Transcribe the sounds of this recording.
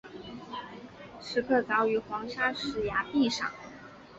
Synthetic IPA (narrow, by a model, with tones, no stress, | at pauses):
ʂɻ̩˧˥kʰɤ˥˩t͡sɑ˧˥ʊy˧˥xwɑ˧˥ŋʂa˥ʂɻ̩˧˥ja˧˥pi˥˩ʂɑ̰˨˩˦ŋ